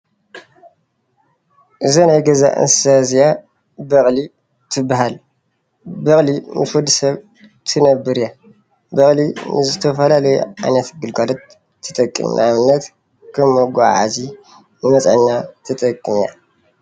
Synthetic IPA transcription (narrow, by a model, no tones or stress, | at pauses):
ʔɨzɐnajɡɐza̰ʔɨ̰nsɨ̥sazija | bɐχʼli | t̪ʰɨbːaɦal | bɐχʼlimɨfud̪ɨsɐβ | t̪ʰɨnɐbɨɾja | bɐχʼlinɨ̰zɨt̪ʰɐfɐlalɐjɛ̰ʕajnɐt̪ɡɨlɡalɐt̪ʰː | ɨt̪ʼɐkʼːɨ̰mn̰amɨnːɐt̪ | kʰɐmːoɡʷaʕa̰zi | nɨmɐt͡sʼʕɨɲːat̪ʰɐt̪ʼɐkʼːɨmja̰